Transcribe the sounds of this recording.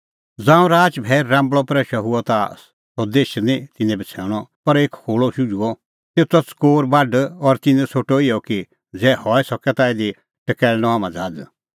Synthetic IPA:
d͡zãːũɾaːt͡ʃbʱɛːɾːãːmbɭɔpɾɛʃɐɦuɔt̪a | sɔd̪eːʃnĩt̪ɪnɛ̃bɛt͡sʰɛːɽ̃ɔpɐɾeːkkʰoːɭɔʃud͡ʒuɔ | t̪eːt̪ɔskoːɾbaɖɔɾt̪ɪnɛ̃sʰoːʈoɪjɔki | d͡zɛːhɔɛsɔkɛt̪aed̪i | ʈəkɛːlnɔ̃aːmãd͡zaːd͡z

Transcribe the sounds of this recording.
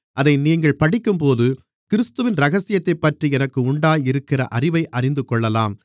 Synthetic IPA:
ʔɐðɐɪniːŋɡɐɭpɐɽɪkːɯmpoːðɯ | kɪɾɪst̪ɯʋɪnɾɐɣɐsɪjɐt̪ːɐɪpːɐʈriɛnɐkːɯʊɳɖaːjɪɾɯkːɪrɐ̰ʔɐrɪʋɐɪʔɐrɪnd̪ɯkɔɭːɐlaːm

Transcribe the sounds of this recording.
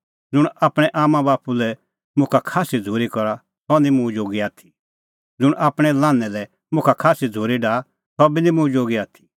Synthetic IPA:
d͡zʊɽ̃aːpɽ̃ɛʔaːmãbaːpulɛ | mʊ̃kʰakʰaːsid͡zʱoːɾikɔɾa | t̪ɔnĩmũd͡ʒoːɡiaːt̪ʰi̥ | d͡zʊɽ̃aːpɽ̃ɛlaːnːɛlɛ | mʊ̃kʰakʰaːsid͡zʱoːɾiɖaː | t̪ɔbinĩmʊ̃d͡ʒoːɡiaːt̪ʰi̥

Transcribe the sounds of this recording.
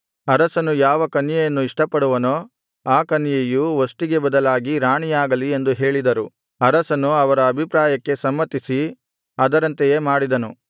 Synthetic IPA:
ɐɾɐsɐnujaːʋɐkɐnjɐjɐnːuiʂʈɐpːɐɽuʋɐnoː | aːkɐnjɐjuʋosʈiɡe̞bɐd̪ɐlaːɡiɾaːɳijaːɡɐlie̞nd̪uɦe̞ːɭid̪ɐɾu | ɐɾɐsɐnuɐʋɐɾɐːbʱipɾaːjɐkːe̞sɐmːɐt̪isi | ɐd̪ɐɾɐnt̪ejeːmaːɽid̪ɐnu

